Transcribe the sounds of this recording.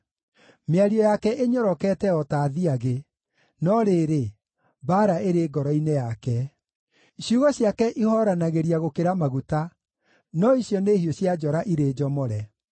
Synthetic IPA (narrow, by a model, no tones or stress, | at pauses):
meaɾiɔjakɛeɲɔɾɔkɛtɛɔtaːðiaɣe | nɔɾeːɾe | baɾaeɾeːɡɔɾɔinejakɛ | ɕjuɣɔɕjakɛʔihɔɾanaɣeɾiaɣokeɾamaɣuta | nɔiɕjɔnehioɕjad͡ʒɔɾaʔiɾed͡ʒɔmɔɾɛ